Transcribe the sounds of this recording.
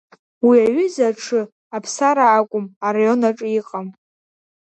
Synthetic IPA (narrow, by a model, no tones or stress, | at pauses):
wiaɥʏzaʈ͡ʂʰɨ | apʰsaɾaːkʷʼʊmarajo̞naʈ͡ʂʼiqʼam